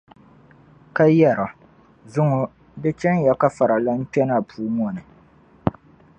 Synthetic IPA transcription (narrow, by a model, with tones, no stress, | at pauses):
ka˦jɛ˦˨ɾa˨ | zʊ˦ŋʊ˦ | dɨ˦t͡ʃɛ˦n˦jɛ˨ka˦fa˨ɾa˨la˦m̩˦pɛ˦na˨pʰuː˦ŋ˦ɔ˨nɨ˨